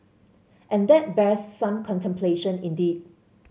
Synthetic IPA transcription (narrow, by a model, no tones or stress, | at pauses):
ʔɛ̃nd̪ɛt̚bɛsːãmkʰɔ̃ntʰɛ̃mpʰleʃə̃nĩndid̚